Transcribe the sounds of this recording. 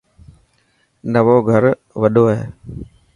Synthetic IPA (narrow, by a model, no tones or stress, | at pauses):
nəʋoːɡʱəɾ | ʋəɗoːɦḛː